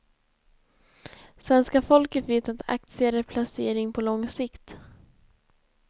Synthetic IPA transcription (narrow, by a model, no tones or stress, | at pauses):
svɛnskafɔlkət̪veːt̪at̪ʰa̰k̚t̪sɪaɾəpʰlaseːɾɪŋpʰɔlɔŋsɪkt̪